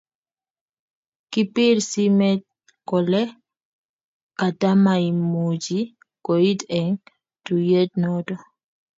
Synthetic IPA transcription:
ki˦pi˦ɾsi˦mɛ˦t̚ | kɔ˨lɛ˦ | ka˨ta˦ma˨i˨mu˨d͡ʒi˦ | kɔ˨i˦tɛ˨ŋ | tu˨je˦tnɔ˦dɔ˦

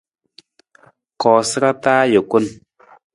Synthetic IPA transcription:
kɔː˨sɨ˦ka˦taː˦jo˨ko˦n

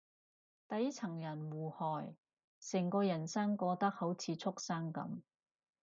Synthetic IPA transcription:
t̪ɐ˨˧jt͡sʰɐ˨˩ŋjɐ˨˩nwuː˨˩hɔː˨j | sɛː˨˩ŋkɔː˧jɐ˨˩nsɐ˥ŋkɔː˧t̪ɐ˥k̚ho˨˥wt͡sʰiː˨˧t͡sʰʊ˥k̚saː˥ŋkɐ̰˨˥m

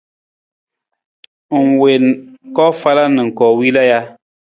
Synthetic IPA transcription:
ŋ˨we˨nkɔ˦fa˦la˦nɨ˨ŋ̩˨kɔ˨wi˦la˦ja˦

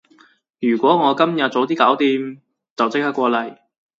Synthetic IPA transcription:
jyː˨˩kʷɔː˨˥ŋɔː˨˧kɐ˥mjɐ˨t̚t͡so˨˧wt̪iː˥kaː˨˥wt̪iː˧m | t͡sɐ˨wt͡sɪ˥k̚hʰaː˥kʷɔː˧lɐ˨˩j

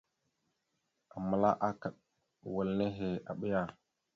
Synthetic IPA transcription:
a˨mə˦la˦ʔa˦ka˨ɗ | wa˨lne˦ɦe˨a̰˨ɓi˦ja˦˨

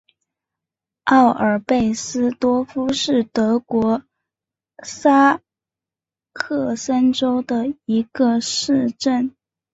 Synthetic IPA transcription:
ɑ˥˩ʊʔə˞˨˩pe˥˩ɪsɹ̩˥t̪wɔ˥fu˥ʂɻ̩˥˩t̪ɤ˧˥kwɔ˧˥ | sa˥ | kʰɤ˥˩sa˥nʈ͡ʂo˥ʊd̪ə˨i˧˥ɡ̥ə˧ʂɻ̩˥˧ʈ͡ʂə˥˩n

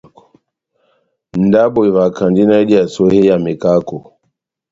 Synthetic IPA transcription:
n̩˨da˦ɓɔ˦i˨va˨kʰa˨ndi˦na˦i˦di˦a˨swɛ˦hɛ˦ja˨mɛ˨ka˦kɔ˨

